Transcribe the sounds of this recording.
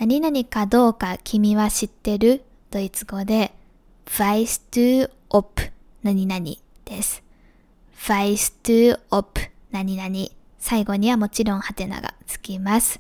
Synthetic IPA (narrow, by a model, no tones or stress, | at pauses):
naɲ̟inaɲ̟ikad̪o̞ːkakʲʰimʲiβaɕit̪ːe̞ɾɯ̟ | d̪̥o̞it͡sɨɡo̞d̪e̞ | b̥aisɨ̥t̪ɨː | opɯ̟̥ | naɲ̟inaɲ̟ḭ | d̪̥e̞sɨ̥ | b̥aisɨ̥t̪ɨːopɯ̟̥naɲ̟inaɲ̟i | saiɡo̞ɲ̟iβamo̞t͡ɕiɾõ̞ɰ̃hat̪e̞na̰ɡa̰t͡sɨ̥kʲimasɨ̥